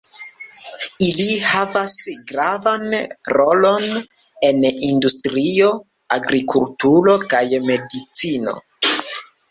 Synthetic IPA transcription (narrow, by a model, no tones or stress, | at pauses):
ilihavasɡɾavanɾo̞lo̞n | e̞nindustɾio̞ | aɡɾikultuɾo̞kajme̞dit͡sino̞̰